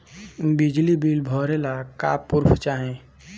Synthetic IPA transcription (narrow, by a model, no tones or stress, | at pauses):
bɪd͡ʒlibiːlbʱɔːɾeːlaka̰ːpːʊɾfʰt͡ʃaːɦẽː